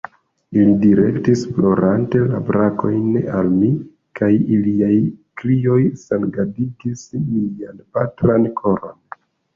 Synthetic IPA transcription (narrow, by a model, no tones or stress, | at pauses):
ilidiɾe̞ktisflo̞ɾante̞labɾako̞jnalmi | kʰajiliajkɾio̞jsanɡadiɡislianpatɾankʰo̞ɾo̞n